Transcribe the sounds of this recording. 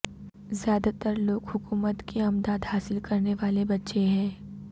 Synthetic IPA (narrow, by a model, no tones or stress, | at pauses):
zjaːd̪at̪əɾloːɡɦʊkuːmət̪kiɐmd̪aːd̪haːsɪlkɐɾneʋaːlebɐtːʃeɦɛ̃ː